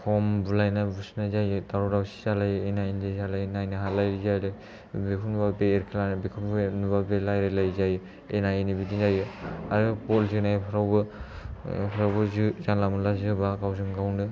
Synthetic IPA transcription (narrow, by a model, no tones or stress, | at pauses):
kʰɔmbulajnabusnazajɯtaɾɔɾawsi̥salajenajnzejsalajnajnɯɦalajɾizajɾɯ | bikʰunubabeːɾkʰilanɯbikʰumnubabelajɾelajzaj | enajnibidizajɯaɾpɔlzɯnajpʰaɾawbɯ | pʰaɾawbɯzɯzanlamɯlazɯbakawzɯŋɡawndɯ